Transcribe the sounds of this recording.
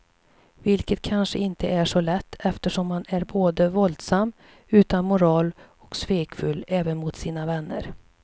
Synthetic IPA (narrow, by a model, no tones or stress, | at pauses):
vɪlkət̪̚kʰanʂəɪnt̪ʰəʔæʂɔlɛt̪ʰːɛft̪əʂɔmːanæɾboːd̪əvɔld̪samː | ʉ̟ːt̪anmʊɾɑːl | ɔksveːkfɵlːɛːvənmʊt̪siːnavɛnːə̰ɾ